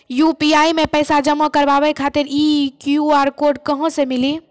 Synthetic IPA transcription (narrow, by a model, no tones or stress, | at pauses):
jupiaimepəjsad͡ʒəmːəkəɾbabɛkʰat̪iɾikjuaɾkoɾɖkəɦə̃semili